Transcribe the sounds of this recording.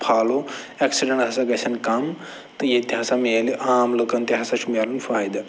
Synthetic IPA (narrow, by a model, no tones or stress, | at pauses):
pʰaːlo | eksiɖɐ̃ɳʈɦasaɡɐsʰɐnkɐm | t̪ɨjet̪iɦasameːliʔaːmləkɐnt̪iɦasaʃumalunfaːjd̪a